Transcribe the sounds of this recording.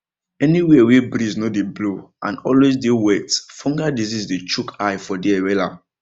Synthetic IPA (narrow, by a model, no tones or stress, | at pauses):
ɛniwewebɾiznodebloã̰nɔlwezdewɛtfɔ̃ŋɡadizizdet͡ʃukʰajfɔdiɛwɛla̰